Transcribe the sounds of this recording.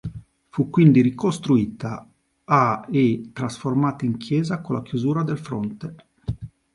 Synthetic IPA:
fukːwind̪iɾikost̪ɾuiːt̪a | aet̪ɾasformaːt̪aiŋkʰjɛːzakolakjuzuːɾad̪elfɾont̪e

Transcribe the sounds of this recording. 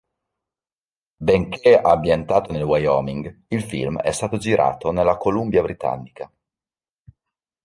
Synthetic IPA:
beŋkeabjent̪aːt̪onelwajɔ̰miŋɡilfḭlmɛ̰st̪aːt̪od͡ʒiɾʔa̰ːt̪onelːakolumbjabɾit̪a̰nːika

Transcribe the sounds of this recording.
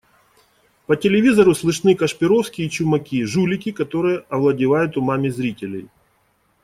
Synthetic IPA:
pətʲɪlʲɪvʲizɐɾʊslˠɨʂnɨkɐʂpʲɪɾofskʲɪit͡ɕʊmɐkʲiʐulʲɪkʲɪkɐt̪o̞ɾɨjəʔɐvlˠɐdʲɪvajʊt̪ʊmamʲɪzɾʲitʲɪlʲɪ̰j

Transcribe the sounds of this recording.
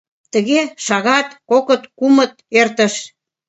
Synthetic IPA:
t̪əɣeʃɑɣɑt̪kokə̆t̪kumə̆t̪̚ert̪ə̆ʃ

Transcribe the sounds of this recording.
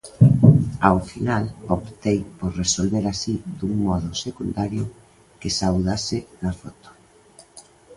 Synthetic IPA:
awfinalopt̪ejpoɾresolβeɾasid̪uŋmɔð̞ʊsekund̪aɾjʊ | kesawðasɪnafɔt̪o̥

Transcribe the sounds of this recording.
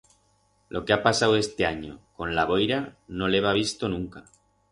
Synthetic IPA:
lʔo̞keapasawe̞st̪e̞aɲoko̞nlaβ̞ojɾanoleβ̞aβ̞ist̪onũŋka

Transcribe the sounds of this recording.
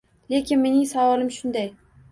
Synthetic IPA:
le̞kʲɪnme̞nɪŋsavɒlɪmʃʊnd̪aj

